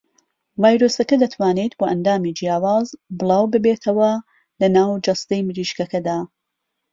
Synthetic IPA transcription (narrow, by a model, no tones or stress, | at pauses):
vaːjɾosɐkɐd̪ɐt̪ʰwaːnet̪boːʔɐnd̪aːmiːd͡ʒijaːwaːzbɨlˠɑːwbɨbeːt̪ʰɐwɐ | lɐnaːwd͡ʒɐst̪ɐjmɨɾiːʃkɐkɐd̪aː